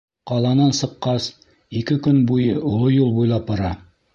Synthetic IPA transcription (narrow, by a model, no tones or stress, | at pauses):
qɑlˠɑnɑnsɤ̆qːɑs | ikɘkɵnbujɤʔŏlˠojulˠbujlˠɑpŏɾɑ